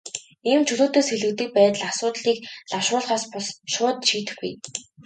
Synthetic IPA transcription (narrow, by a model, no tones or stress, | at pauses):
iːmt͡ɕʰɵɮoːt̪oːsxeɮɘ̆kt̪ɘ̆k̚pæːt̪ə̆ɮasʊːt̪ɮiːkɮawʃʊːɮχaːspʊɮʃʊːt̪ʃiːt̪ɘ̆xɡṵj